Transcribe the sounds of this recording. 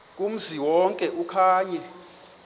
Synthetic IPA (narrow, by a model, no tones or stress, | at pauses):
kʼum̩ziwɔŋkʼɛʔukʰaːɲɛ